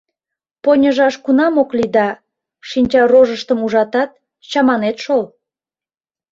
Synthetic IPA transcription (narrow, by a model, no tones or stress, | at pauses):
ponʲəʒɑʃkunɑmoklid̪ɑ | ʃinʲt͡ɕɑroʒəʃt̪əmuʒɑt̪ɑt̪̚ | t͡ɕɑmɑnet̪ʃol